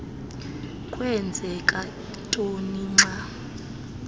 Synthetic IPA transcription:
kʼwɛnd͡zʱɛkʼa | tʼoniŋ͡ǀa

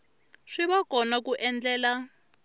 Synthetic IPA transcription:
ʂiβakɔnakuʔɛnd͡ɮɛːla

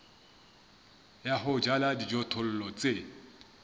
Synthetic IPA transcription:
jaɦʊd͡ʒaladid͡ʒɔtʰʊl̩lɔt͡sʼe

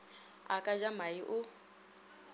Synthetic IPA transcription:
a̰kʼad͡ʒamaiʔʊ

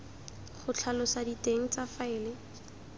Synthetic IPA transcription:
χʊt͡ɬʰalɔsaditeŋ̩t͡safaɪːlɪ

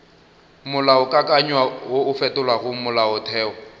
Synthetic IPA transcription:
mʊlaʊkʼakʼaɲwawoʊfɛtʊlwaɣʊmʊlaʊtʰɛːɔ

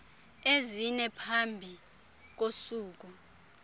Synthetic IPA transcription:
ezinɛpʰambʱi | k̬osuːk̬u

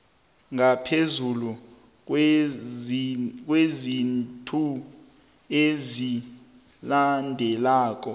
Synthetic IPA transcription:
ŋapʰezulu | k̬ʼwezintʼʰu | ezi | landʱɛlaːk̬ʼɔ

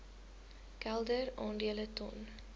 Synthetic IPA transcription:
kɛlˠdərɑːndiələtɔ̰n

